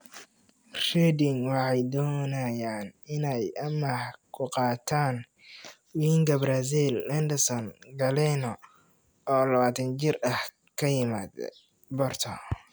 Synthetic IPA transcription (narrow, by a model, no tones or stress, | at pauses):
rɛd̪ɪŋwɑħɑjd̪ɔːnɐjaːnɪnɛjʔɐmɐhkʰʊqɑːt̪ʰaːn | wiːŋkʰɐbras̬ilɛnd̪ɪsɔnɡɐlɛnɔ | ɔːlɐβaːt̪ʰɐnt͡ʃɪrɐh | kʰɐjɪmaːd̪̰ | bɔrt̪ʰɔ